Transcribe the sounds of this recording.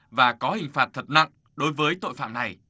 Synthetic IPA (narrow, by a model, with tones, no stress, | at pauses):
vaː˨˩kɔ˨˦hï˨˩ŋ̟faː˨˩t̚t̪ʰə˨˩t̚na̰˧˨ŋ | ɗo˨˦jvəː˨˦jt̪o̰˧˨jfa̰ː˧˨mna˨˩j